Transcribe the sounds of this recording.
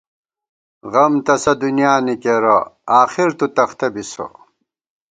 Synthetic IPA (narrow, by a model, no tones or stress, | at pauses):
ɣɐmt̪ɐsɐd̪unijaːnikeɾɐaːxiɾt̪ut̪ɐxt̪ɐbiso̰